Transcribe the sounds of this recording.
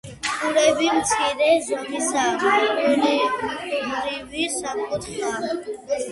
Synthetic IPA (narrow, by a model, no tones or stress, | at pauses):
uɾɛbimt̪sʰiɾɛzamisa | ɾi | ɾivisamkʼɔt̪ʰχa